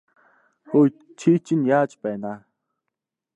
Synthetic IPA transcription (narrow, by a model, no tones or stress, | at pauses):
xojt͡ɕʰit͡ɕɪ̆njaːt͡ɕpæːnaː